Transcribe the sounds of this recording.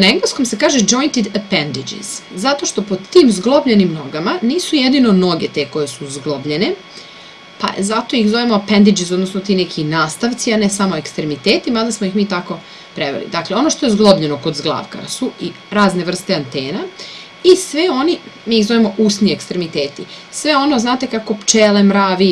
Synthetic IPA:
naeŋɡlesko̞mse̞kaːʒed͡ʒo̞jnt̪id̪apend̪id͡ʒḭz̥zat̪o̞ʃt̪o̞pod̪t̪iːmzɡlˠobʎenimno̞ɡamaniːsujed̪ino̞no̞ɡet̪e̞ko̞je̞suzɡlˠobʎe̞ne | pa̰zat̪o̞ixzo̞ʋemoapend̪id͡ʒisod̪nosnot̪iːnekʰinaːst̪aʋt̪sianesamoekst̪ɾemit̪eːt̪imad̪asmojixmiːt̪ako̞ | pɾeʋḛlḭd̪akleo̞no̞ʃt̪o̞je̞zɡlˠobʎe̞no̞ko̞d̪zɡlˠa̰ːʋka̰sui | ɾaːzne̞ʋr̩st̪e̞ant̪eːna | isʋeo̞nimiːizoʋemo̞ʔuːsniekst̪ɾemit̪eːt̪ḭ | sʋeo̞no̞znaːt̪e̞kako̞pt͡ʃeːlemɾaːʋi

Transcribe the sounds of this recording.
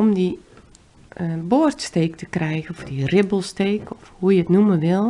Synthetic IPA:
ɔmdi | bortsteːktəkrɛjɣənɔfdirɪbəlˠsteːkɔfhujəətnuməʋɪlˠ

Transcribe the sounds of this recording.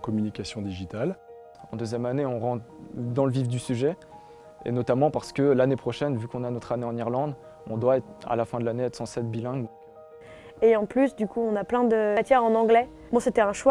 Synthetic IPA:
kɔmynikʲasjɔ̃d̪iʒit̪al | ɑ̰̃d̪øzjɛmaneɔ̃ʁɑ̃d̪ɑ̃ləvivd̪ysyʒɛ | ḛnɔt̪amɑ̃paʁsə̥kəlanepχɔʃɛnvykɔ̃nanɔt̪χaneɑ̃niʁlɑ̃d̪ | ɔ̃d̪waɛt̪a̰lafɛ̃d̪əlaneɛt̪χsɑ̃sɛt̪̚bilɛ̃ɡ | eɑ̃plysd̪ykuɔ̃naplɛ̃d̪ət̪jɛʁɑ̃nɑ̃ɡlɛ | bɔ̃set̪ɛɛ̃ʃwa

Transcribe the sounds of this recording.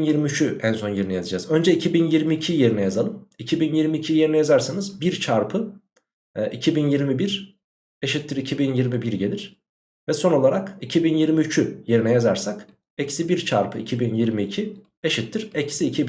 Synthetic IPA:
njiɾmiyt͡ʃʰyænso̞njiɾinɛjazad͡ʒazø̞nd͡ʒɛicʰibinjiɾmiːcʰije̞ɾinɛjazalˠɯmicʰibinjiɾmiːcʰije̞ɾinɛjazaɾsanɯzbiɾt͡ʃʰaɾpʰɯ | ʔicʰibinjiɾmibiɾ̥ | eʃit̪ʰːiɾicʰibinjiɾmibiɾɟe̞lʲiɾ̥ | vɛso̞no̞lˠaɾakicʰibinjiɾmiyt͡ʃʰyje̞ɾinɛjazaɾsak | ecsibiɾt͡ʃʰaɾpʰɯicʰibinjiɾmiːcʰi | eʃit̪ʰːiɾ̥ecʰsiːcʰib

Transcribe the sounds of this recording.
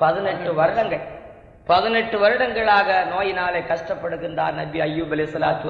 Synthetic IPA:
pɐðɪnɛʈːɯʋɐɾɯɽɐŋɡɐɭ | pɐðɪnɛʈːɯʋɐɾɯɽɐŋɡɐɭaːɣɐnoːjɪnaːlɐɪkːɐʂʈɐpːɐɽɯɣɪnda̰ːɾnɐbɪɐjːuːbɐlɪsɐlaːt̪u

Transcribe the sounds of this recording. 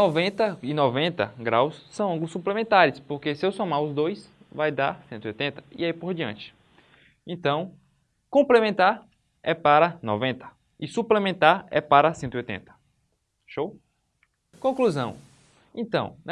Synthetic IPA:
nɔvẽt̪ɐɪnɔvẽnt̪ɐɡɾawsːɐ̃w̃ɐ̃ŋɡulʊsːuplemẽnt̪aɾɪspoɾkesɪewsomaɾʊzd̪ojs | vajd̪aɾsẽt̪ʊiojt̪ẽt̪ɐ̥ḭaipoɾd͡ʒiɐ̰̃nt͡ʃɪ̥ | ẽnt̪ɐ̃w̃ | kõplemẽnt̪aɾ | ɛpaɾɐnɔ̰vẽnt̪ɐ̥ | ɪsuplemẽnt̪aɾɛ̰paɾɐsẽt̪ʊiojt̪ḛ̃nt̪ɐ̥ | ʃow | kõkluzɐ̃w̃ | ẽnt̪ɐ̰̃w̃n

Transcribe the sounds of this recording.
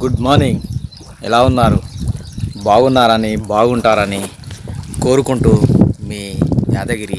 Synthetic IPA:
ɡuɖmaːɾniŋɡ | ɛ̰laːunːaːɾu | baːɡunːaːɾɐnibaːɡuɳʈaːɾɐni | ko̞ːɾukuɳʈuːmiːjaːd̪ɐɡɐɾi

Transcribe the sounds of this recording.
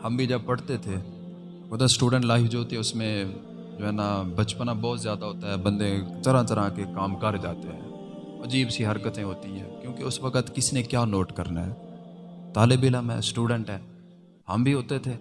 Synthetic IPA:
hɐmbʱid͡ʒɐb̚pɐɽt̪et̪ʰeː | kod̪sʈuːɖə̃ɳʈlaːɪfd͡ʒoɦoːt̪iɛʊsmẽ | d͡ʒoːɦɛːnabɐt͡ʃpənabɔːt̪zjaːd̪aɦoːt̪aɦɛːbɐ̃nd̪ẽt̪ɐɾãt̪ɐɾãkekaːmkɐɾd͡ʒa̰ːt̪eɦɛ̰̃ː | ɐd͡ʒiːbsiɦɐɾkət̪ẽɦoːt̪iɦɛ̰̃ːkjõːkeʊsʋɐkət̪kɪsnekjaːnoːʈkɐɾna̰ɦɛ̰ːt̪aːlɪbɪləmɦɛ̰ːsʈuːɖə̃ɳʈɦɛː | hɐmbʱiɦoːt̪et̪ʰeː

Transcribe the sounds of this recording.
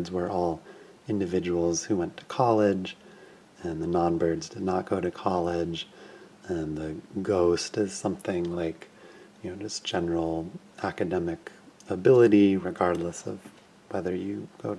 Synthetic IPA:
dzwə˞ʔɔlˠ | ɪ̃ndɨvɪd͡ʒəwl̩ˠz̥huwɛ̃ntʰə̥kʰɑlˠɪd͡ʒ | ɨ̃nðɨnɑ̃nbɜ˞dzdɨdⁿnət̚ɡ̥oʊɾɨkʰɑlˠɪd͡ʒ | ɨ̃nðɨɡoʊstɨz̥sʌ̃mθɪ̃ŋlaɪkjɨnoʊd͡ʒʌsd̥ʒ̥ɛnə˞l̩ˠ | ʔækɨdɛmɨkəbɪlˠəɾiɹɨɡɑɹdˡləsʌ̰v | wɛðə˞jɨɡ̥oʊɾ

